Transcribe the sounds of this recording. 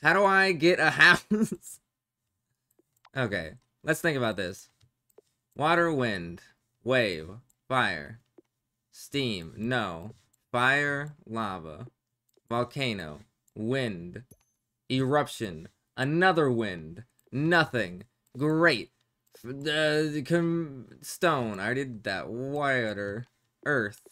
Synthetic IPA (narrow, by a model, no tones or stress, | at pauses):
haʊɾəaɪɡɛɾʔɨhaʊs | ʔoʊkeɪ | lʔətsθɪ̃ŋkəbaʊt̪̚ðɪs | wʔɔɾə˞wɪ̃nd̥ | weɪv̥ | faɪə̰˞ | stĩmnoʊ | faɪə˞lɑvə̰ | vɑlˠkʰẽɪ̃no̰ʊ | wɪ̃nd | ɪɹʌpʃɨ̃n | ʔənʌðə˞wɪ̃nd̥ | nʌθɪ̃ŋ | ɡɹeɪt̚ | ʌkʰɨ̃mstõʊ̃naɪdɨd̪̚ðɨ̰t̚waɪɾə˞ | ʔɜ˞θ